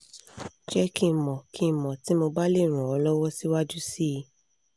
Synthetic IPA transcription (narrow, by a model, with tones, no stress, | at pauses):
t͡ʃɛ˦kĩ˧˨mɔ̃˨kʰĩ˨˦˨mɔ̃˨ti˨˦mo˧ba˦le˦˨ɾ̃ũ˨ɔ˨˧lɔ˦wɔ˦si˦wa˦d͡ʒu˦si˦˧